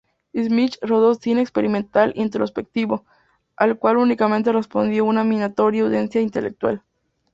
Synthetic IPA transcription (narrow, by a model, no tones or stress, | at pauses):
izmit͡ʃroðosinekspeɾimẽ̞nt̪alint̪eɾospe̞k̚t̪iβo̞ | alkwalunikamẽnt̪̬e̞re̞spo̞nd̪jounamĩnat̪o̞ɾjauðensjaint̪elḛk̚t̪wa̰l